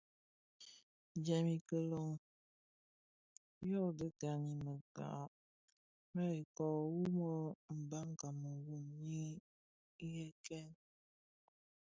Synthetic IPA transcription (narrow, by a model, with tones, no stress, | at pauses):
d͡ʒɛ˨mi˨kə˦lo˦ŋ˨ | jɔ˦˨də˦ka˨ɲi˨mə˨ka̰˨˦˨ | mɛ˦i˨kɔ˨wu˦mɔ˦m̩˨ba˦ŋ˦ka˨mə˨wu˦˨mɲi˦ | i˦je˦kɛ˦n